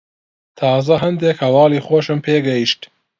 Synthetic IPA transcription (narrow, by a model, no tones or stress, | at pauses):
t̪ʰɑːzɐɦɐnd̪ekhɐwɑːliːxoːʃɨmpʰeːɡɐjiʃt̪